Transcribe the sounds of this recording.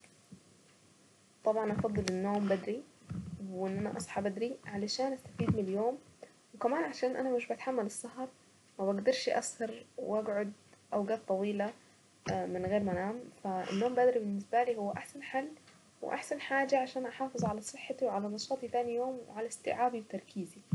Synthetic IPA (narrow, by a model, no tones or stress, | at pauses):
t̪ˤɑbʕɑnʔɑfɑd̪ˤːɨlɪnːoːmbad̪ɾi | ɪnːʔanaʔɑ̰sˤħɑbad̪ɾiʕalaʃaːnʔast̪afiːd̪̚miljoːm | wkamaːnʕaʃaːnʔa̰namɪʃbat̪ħamːalɨsˤːɑɦɑɾˤ | mabaɡd̪ɑɾˤʃʔa̰shɑɾˤwʔaɡʕʊd̪̚ʔawɡaːt̪ˤːɑwiːla | mɪnɣeːɾmanaːmfaɪ̰nːoːmbad̪ɾibɪnːɪsbaliːhʊwːaʔaħsanħalː | wɪ̰ʔa̰ħsanħaːd͡ʒaʕaʃaːnʔaħɑːfɨzˤʕalasˤɨħːat̪iwʕalanɑsˤɑːt̪ˤit̪aːnijoːmwwɪ̰ʕalast̪ɪ̰ʕaːbiwt̪ɑɾˤkʰiːzi